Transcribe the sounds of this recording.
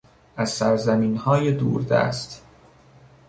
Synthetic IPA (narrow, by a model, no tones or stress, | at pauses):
ʔæzsæɾzæmiːnhɒːjed̪ṵːɾd̪æ̰ːst̪